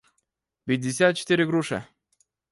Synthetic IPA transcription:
pʲɪt̪̚ʲːɪsʲat̪̚t͡ʃɪ̥t̪iɾʲɪɡɾuʂə̰

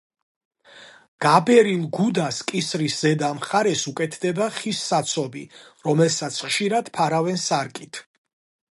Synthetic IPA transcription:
ɡ̥abɛɾilˠɡud̪askʼisɾiszɛd̪amχaɾɛsukʼɛt̪ʰd̪ɛbaχisːat̪sʰɔbḭɾɔmɛlsat̪sʰχʃiɾad̪̥pʰaɾavɛnsaɾkʼit̪ʰ

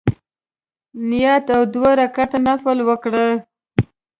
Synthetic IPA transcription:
nɪjɑt̪awd̪waɾakat̪anafəlwəkɽə

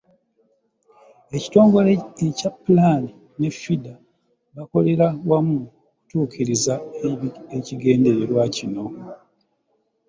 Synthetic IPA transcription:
eci̥to̞ːŋɡo̞leecapːulani | ne̞fida | βako̞le̞ɾawamuoku̥tuːkiɾiza | eciɡe̞ːnde̞ɾeɾwacino̞

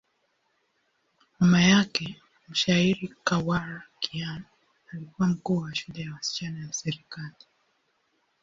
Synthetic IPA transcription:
mamajakɛ | m̩ʃaiɾikawaɾakian | alikuwam̩kuːwaʃulɛjawasi̥t͡ʃanajasɛɾikali

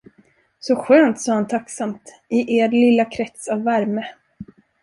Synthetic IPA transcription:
sɔɧøːnt̪sɑːhant̪ʰaksamt̪ | ɪʔeːɾlɪlːakʰɾɛt̪savːæɾmə

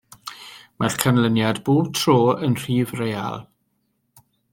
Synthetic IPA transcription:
markʰanlənjadbuːtʰroːənr̥iːvreja̰lˠ

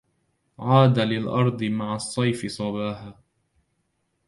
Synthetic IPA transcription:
ʕaːd̪alɪlʔɑɾˤd̪ˤɨmaʕasˤːɑjfɪsˤɑbaːhaː

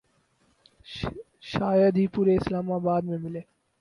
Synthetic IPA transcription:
ʃaːjəd̪ɦiːpuːɾeɪslaːmaːbaːd̪mẽmɪleː

